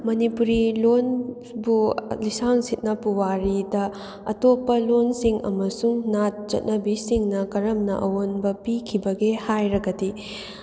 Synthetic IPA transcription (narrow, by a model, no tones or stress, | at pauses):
mɐnipuɾilon | bulisaŋsit̚nɐpuwaɾidɐ | ɐtopːɐlonsiŋɐ̰mɐsuŋnat̚t͡ʃɐ̰t̚nɐbisiŋnɐkɐɾɐmnɐ̰ʔɐwonbɐpikʰibɐɡehajɾɐɡɐdi